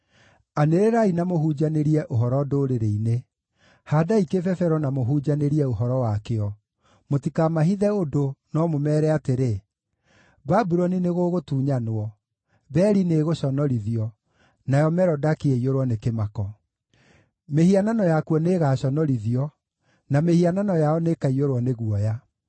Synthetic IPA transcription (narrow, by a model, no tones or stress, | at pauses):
aneɾeɾainamohud͡ʑaneɾiɛʔoɦɔɾɔdoːɾeɾeine | haːdaikefɛfɛɾɔnamoɦud͡ʑaneɾiɛoɦɔɾɔwakeɔ | motikamaɦiðɛodonɔmomɛːɾɛateɾe | babuɾɔnineɣoːɣotuːɲanoɔ | bɛːɾineɣoɕɔnɔɾiðiɔ | najɔmɛɾɔdakeeioɾwɔnekemakɔ | mehiananɔjakwɔneːɣaɕɔnɔɾiðiɔ | namehiananɔjaɔnekaioɾwɔneɣuɔja